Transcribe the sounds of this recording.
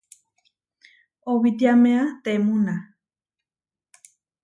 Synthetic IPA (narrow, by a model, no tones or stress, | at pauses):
oβit̪iamẽat̪emuna